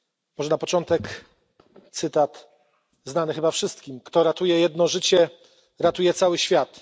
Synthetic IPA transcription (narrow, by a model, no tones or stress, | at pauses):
mɔʐɛnapɔt͡ʂɔnt̪ɛk | t̪sɘt̪at̪ | znanɘxɘbafʂɘst̪kʲimkt̪ɔɾat̪ujɛjɛd̪nɔʐɘt͡ɕɛ | ɾat̪ujɛt̪sawɘɕfʲjat̪